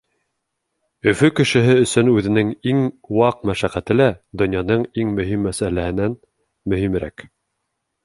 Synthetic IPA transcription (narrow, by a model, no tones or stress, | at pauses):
ɵ̆fɵkɘ̆ʃɘ̆ɦɘɵ̆sɵnʉðɘ̆nɘŋiŋwɑq̚mæʃæqæt̪ɘlæd̪ŏnjɑnɤɴiŋmɵ̆ɦimːæsælæhɘ̆næn | mɵ̆himɾæ̰k